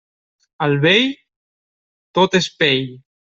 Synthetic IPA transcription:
alβej | t̪ot̪espeʎ

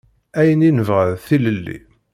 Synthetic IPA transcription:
æjəninəvʁəðθiləlːḭ

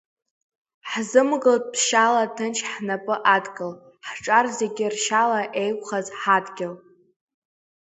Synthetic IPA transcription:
ħzɨmɡɨldʰʃalatʰɨnt͡ʃʰħnapʼɨʔadɡʼɨl | ħʈ͡ʂʼarzeɡʲɪrʃalaʔejkʷʼχazħadɡʲɪl

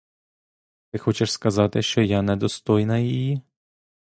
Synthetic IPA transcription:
t̪ɪxɔt͡ʃɛʃskɐzɑt̪ɪʃt͡ʃɔjanɛd̪ɔst̪ɔjnɐjiji

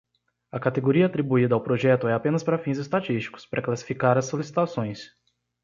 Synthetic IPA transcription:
ɐkat̪eɡoɾiɐat̪ɾibuid̪ɐawpɾoʒɛt̪ʊɛapẽnɐspaɾɐfĩzɪst̪at͡ʃist͡ʃi̥kʊ̥spɾɐklasi̥fikaɾɐsːolisi̥t̪asõj̃s

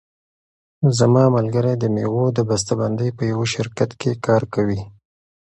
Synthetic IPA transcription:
zamɑmalɡəɾajd̪ənewod̪əbas̬t̪aband̪əjpəjawaʃɪɾkat̪kekɑɾkawi

